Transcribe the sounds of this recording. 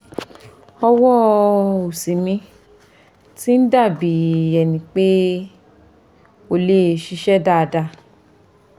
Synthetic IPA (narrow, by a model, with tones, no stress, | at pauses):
ɔ˧wɔ˦o˨si˨mĩ˧˦ | ti˦n̩˦da˦˨bi˨ɛ˨nĩ˨k͡pe˦ | o˧le˦˨ʃi˧ʃɛ˦da˦˨˧da˧